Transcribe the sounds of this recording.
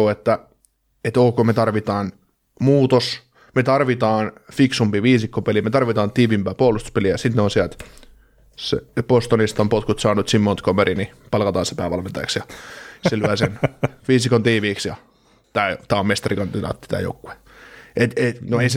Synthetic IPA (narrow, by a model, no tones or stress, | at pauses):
oːet̪ːæ | et̪oːkoːmet̪ɑrʋit̪ɑːn | muːt̪os | met̪ɑrʋit̪ɑːnfiksumpiʋiːsikːopelimet̪ɑrʋit̪ɑːnt̪iːʋimpæːpuolust̪u̥speliæjɑsit̪neonsiælt̪ | sḛpost̪onist̪ɑmpot̪kut̪sɑːnut̪simːont̪komeɾinipɑlkɑt̪ɑːsepæːʋɑlment̪ɑ̰j̰ksjɑselyæsenʋiːsikont̪iːʋiːksjɑ | t̪æːt̪æːommest̪ɑrikɑnd̪idɑ̰ːt̪ːi̥t̪æ̰ːjo̰ukːu̥e | et̪enoeis